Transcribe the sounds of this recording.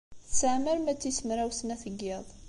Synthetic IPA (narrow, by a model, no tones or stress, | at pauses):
θsəʕməɾmæt͡sːisəmɾæwsənæθəɡːeðˤ